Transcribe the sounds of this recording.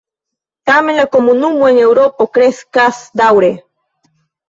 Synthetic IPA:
t̪amelakomunumweŋewɾopokɾeskasd̪awɾe

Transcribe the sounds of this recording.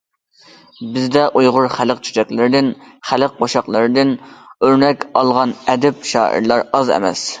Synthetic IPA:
bɪzd̪ɛʔujʁʊɾχæləq̚t͡ʃʰy̥t͡ʃɛkʲlɪɾɪd̪ɪnχælɪq̚qːʰoʃɑqlˠɨɾɨd̪ɪnøɾnɛkʲɑlˠʁɑnɛd̪ɛpʃɑ̰ːḭɾlˠɑɾɑzɛ̰mɛ̰s

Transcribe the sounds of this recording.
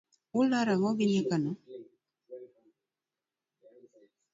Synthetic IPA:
ulaɾaŋɔɡiɲɛkanɔ

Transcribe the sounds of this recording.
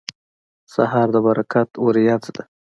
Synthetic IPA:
saɦɑɾd̪əbaɾakat̪woɾijat͡sd̪a

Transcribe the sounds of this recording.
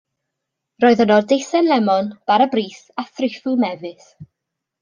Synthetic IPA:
roːɨðənɔdejθɛnlɛmɔnb̥aɾəbriːθ | aθrɪfʊmɛvɨθ

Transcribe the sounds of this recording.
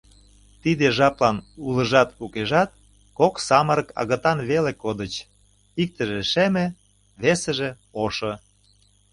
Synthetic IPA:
t̪id̪eʒɑplɑnulə̆ʒɑt̪ukeʒɑt̪̚ | koksɑməɾə̆kɑ̰ɣə̆t̪ɑnβelekod̪ət͡ɕ | ik̚t̪ə̆ʒeʃemĕ | βesə̆ʒĕ | oʃŏ

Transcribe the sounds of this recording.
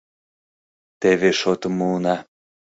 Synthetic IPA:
t̪eβeʃot̪ɤ̆munɑ

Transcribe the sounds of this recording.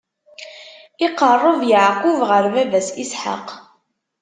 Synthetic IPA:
ɪqərˤːəðjəʕquvʁəɾvævæsisħa̰q

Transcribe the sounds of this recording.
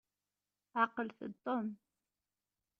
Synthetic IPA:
ʕɑqəlθət̪ˤːom

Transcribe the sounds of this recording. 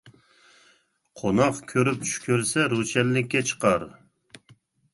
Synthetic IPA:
qʰonɑqkʲʰøɾyp̚t͡ʃʰy̥kʲyɾsɛɾut͡ʃʰɛlːɪkʲːɛt͡ʃʰə̥qɑɾ

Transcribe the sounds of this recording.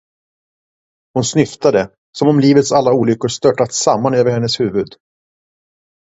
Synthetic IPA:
hʊnsnʏft̪ad̪ə | sɔmɔmliːvət̪salːauːlʏkːʊʂt̪œʈːat̪samːanøːvəɾhɛnːəshʉ̟ːvɵd̪

